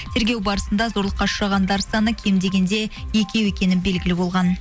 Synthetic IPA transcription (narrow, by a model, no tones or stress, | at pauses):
t̪ʰe̞ɾɡʲe̞wbɑɾəsənd̪ɑzo̞ɾlˠəqːɑʃʊɾɑʁɑnd̪ɑɾsɑnəkʲʰe̞md̪e̞ɡʲe̞nd̪e̞je̞kʲe̞we̞kʲe̞nɪnbe̞lɡʲɪlɪbo̞lˠʁɑn